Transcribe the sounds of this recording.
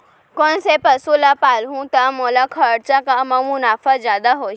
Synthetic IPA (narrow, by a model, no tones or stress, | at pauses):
konsepɐsulapaːlɦũt̪amoːlakʰəɽt͡ʃakaməmunaːfəzjaːd̪aɦo